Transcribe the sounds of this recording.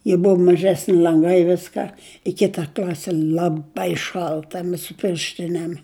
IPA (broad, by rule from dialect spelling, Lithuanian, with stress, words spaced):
jɪ ˈbʊʋʊ mɐˈʒʲæːsʲnʲɪ lʲɐŋˈɡɐɪ ˈʋʲɪskɐ ɪ ˈkʲɪtɐ ˈklʲɑːsʲɪ lˠɐˈbɐɪ ˈʃɐlˠtɐ ˈmʲɛs sʊ ˈpʲɪrʲʃʲtʲɪnʲeːm